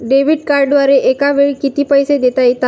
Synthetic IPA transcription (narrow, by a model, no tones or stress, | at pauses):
ɖeʋiɖkaɾɖʋaɾeʔekaʋeɭikit̪iːpəjsed̪et̪ajt̪a